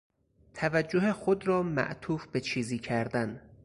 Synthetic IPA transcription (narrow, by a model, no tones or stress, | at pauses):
t̪ʰævæd͡ʒːoɦexod̪ɾɒːmæ̰ʔt̪ʰuːfbe̞t͡ʃʰiːziːcʰæɾd̪æn